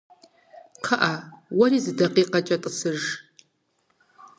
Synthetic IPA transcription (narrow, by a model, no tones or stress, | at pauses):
qʰɐʔawɐɾiːzɨdɐqʼiːqɐt͡ʃʼɐtʼɨsɨʒ